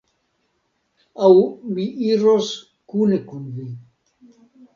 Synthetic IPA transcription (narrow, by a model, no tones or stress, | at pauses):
awmiʔiɾos | kunekunvi